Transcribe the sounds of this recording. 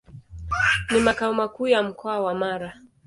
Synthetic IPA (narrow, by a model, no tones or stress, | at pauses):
nimakaɔmakuːjam̩kɔawamaɾa